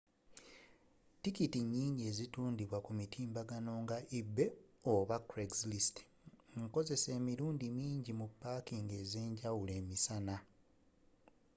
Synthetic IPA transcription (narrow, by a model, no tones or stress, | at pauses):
tikitiɲːiːɲɟie̞ːzituːndiβwakumitʰiːmbaɡano̞ŋɡaʔibːe̞oβakɾeɡzlist | ŋko̞ze̞se̞ːmiɾuːndimiːɲɟimupːaːkiŋɡe̞ːze̞ːɲɟawule̞ːmisana